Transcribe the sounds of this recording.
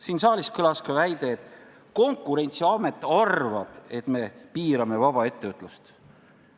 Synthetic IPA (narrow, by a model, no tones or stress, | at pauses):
siːnsɑːlʲiskɤlɑskɑvæjd̪̥e̞ːt̪ːˑ | ko̞ŋkˑːuɾe̞nʲt̪siɑme̞t̪ːˑɑrvɑb̥e̞t̪me̞piːɾɑme̞vɑb̥ɑe̞t̪ːe̞ot̪ːˑlust̪